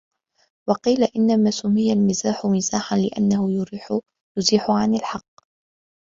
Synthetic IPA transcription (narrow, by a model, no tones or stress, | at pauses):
wɑqiːlaʔɪnːamaːsʊmːɪjalmɪzaːħʊmɪzaːħanlɪʔa̰nːahʊ | jʊziːħʊʕanɪlħɑqː